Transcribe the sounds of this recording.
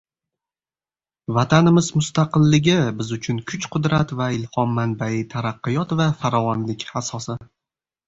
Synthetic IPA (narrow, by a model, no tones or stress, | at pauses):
vat̪ʰanɪmɪzmʊst̪aqɨlˠːɪɡʲɪbɪzʊt͡ʃʰʊnkʰʊt͡ʃqʰʊd̪ɾat̪vaɪlhɒmːanbaɪt̪ʰaɾaqːɨjɒt̪vafaɾɒvɒnlɪkʲasɒsɪ